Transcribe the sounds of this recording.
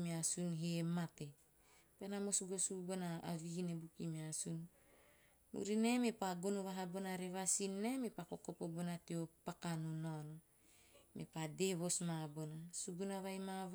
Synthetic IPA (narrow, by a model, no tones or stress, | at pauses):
measunɦemate | penamosuɡo̞subonaa̰viɡinebukimeasun | mṵɾinemepaɡonuβaɦabo̞naɾevasinːemepakokopobonatiopakanunono | mḛpadeβo̞smabonasuɡunavajma